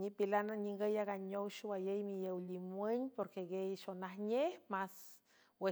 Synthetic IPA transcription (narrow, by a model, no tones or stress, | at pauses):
ɲipilanaɲiŋɡəjaɣaɲowʃwajejmijewlimweɲʲpoɾkeɡejʃonahɲehmas | we